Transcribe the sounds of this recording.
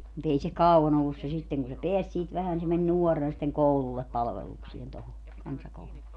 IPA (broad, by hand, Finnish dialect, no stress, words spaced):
mut ei se kɑuɑn olːus se sitːeŋ kun se peæs siːt ʋæhæn ni se men nuɔrːenɑ sitːeŋ koululːep pɑlʋeluksien toho kɑnsɑkoululːe